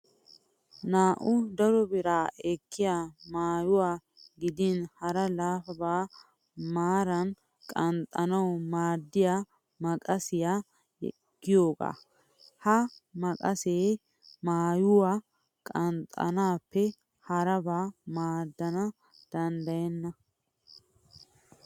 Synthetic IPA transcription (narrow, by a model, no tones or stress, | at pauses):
naːʔʊd̪ɐɾɔbɪɾaːʔɛkʰːɪjaːmaːjʊwaː | ɡɪd̪ɪnhɐɾɐlaːfɐbaː | maːɾɐn | kʼɐnt̪ʼːɐnɐwmaːd̪ːɪjaː | mɐkʼɐsɪja | ɛ̰ɡ̥ːɪjoːɡa̰ː | hɐmɐkʼɐseː | maːjʊwa | kʼɐnt̪ʼːɐ̰naːpːɛ | hɐɾɐbaːmaːd̪ːɐnɐ | d̪̥ɐnd̪ɐjɛnːɐ